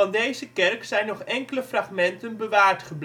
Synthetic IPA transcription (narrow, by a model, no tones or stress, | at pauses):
ɑndejzəkɛrksɛjnɔχɛŋkələfrɑχmɛntənbəʋaːɹtχəbl